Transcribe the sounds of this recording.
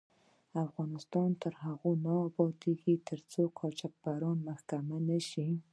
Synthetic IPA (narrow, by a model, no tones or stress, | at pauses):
afɣɑnɪst̪ɑnt̪əɾɦaɣonɑbɑt̪eɡit̪ʰəɾt͡sokʰɑt͡ʃɑk̚b̥aɾɑnmaxkamanaʃi